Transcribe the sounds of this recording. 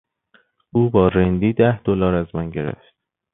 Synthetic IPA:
ʔuːbɒːɾend̪iːd̪æhd̪̥olɒːɾæzmænɟe̞ɾḛft̪

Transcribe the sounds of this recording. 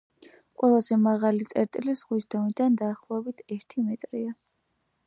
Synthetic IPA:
qʼwɛlˠazɛmaʁalit̪sʼɛɾt̪ʼilisʁwisd̪ɔnid̪and̪aːχlˠɔɛbit̪ʰɛɾt̪ʰimɛt̪ʼɾia

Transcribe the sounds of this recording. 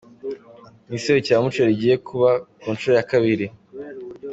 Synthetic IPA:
niseβecaːmut͡ʃaɾiɟiːje̞kʰuβakuːnʃuɾojakaβiɾi

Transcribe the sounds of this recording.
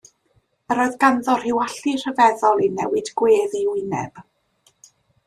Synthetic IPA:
əɾɔjðɡanðɔr̥ɪwaɬir̥əvɛðɔlˠinɛwɨd̥ɡ̥weːðiwɪnɛ̰b̥

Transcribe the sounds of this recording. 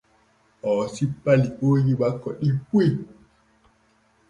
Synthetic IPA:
ɔsipaliɓoɣiɓakɔɗipwe

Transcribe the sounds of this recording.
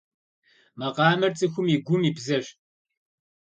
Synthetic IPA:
mɐqɑːmɐrt͡sʼɨxʷʊmiːɡʷʊmiːbzɐɕ

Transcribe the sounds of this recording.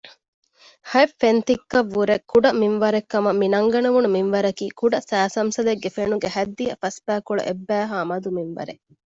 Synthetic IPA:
hɐefːent̪ikːɐʋːuɾekuɖɐminʋɐɾekːɐmɐmːinɐŋɡɐnɐʋunuminʋɐɾɐkiːkuɖɐsæːsɐmsɐleɡːefenuɡehæd̪ːijɐfɐsbæːkuɭṵʔebːæːɦaːmɐd̪uminʋɐ̰ɾe

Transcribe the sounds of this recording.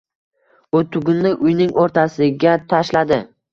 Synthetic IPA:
ʊt̪ʰʊɡʲʊnːɪʔʊjnɪŋʔoɾt̪ʰasɪɡʲat̪ʰaʃlad̪ɪ

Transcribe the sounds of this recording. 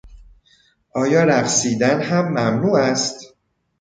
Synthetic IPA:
ʔɒːjɒːɾæɣsiːd̪ænhæmːæmnuːæst̪

